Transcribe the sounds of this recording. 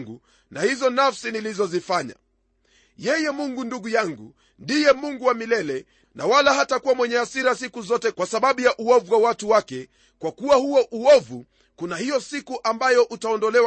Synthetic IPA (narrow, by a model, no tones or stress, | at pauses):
ŋɡu | nahizɔnafsinilizɔzifaɲa̰ | jɛjɛmuŋɡunduɡujaŋɡṵ | ndijɛmuŋɡuwamilɛlɛ | na̰walaɦatakuwamwɛɲɛasiɾasikuzɔtɛkwasaɓaɓujaʔuɔvuwawatuwakɛ | kwakuwahuɔʔuɔvu | kunahijɔsikuʔambajɔʔutaɔndɔlɛw